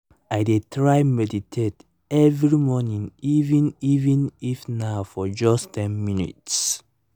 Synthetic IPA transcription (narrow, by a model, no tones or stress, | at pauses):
ajdetɹajmɛditʰet | ɛvɹimɔnĩŋivɛ̃nivɛ̃nifnaʊfɔd͡ʒɔstʰɛ̃nminḭts